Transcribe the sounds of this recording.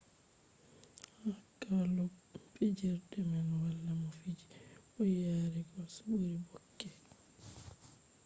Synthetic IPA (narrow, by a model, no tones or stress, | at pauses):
hakalɔɛd͡ʒɛɾdɛmanwalːamɔfid͡ʒi̥ʔɔjaːɾɛkɔsabuɾibɔkːɛ